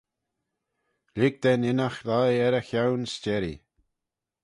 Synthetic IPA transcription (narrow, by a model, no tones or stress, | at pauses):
lɪɡ̚d̪̥ɛnɪnaxlajɛɾəxawnst͡ʃɛɾḭ